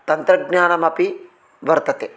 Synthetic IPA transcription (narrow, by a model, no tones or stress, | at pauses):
t̪ɐnt̪ɾɐɡɲaːnɐmɐpi | ʋɐɾt̪ɐt̪e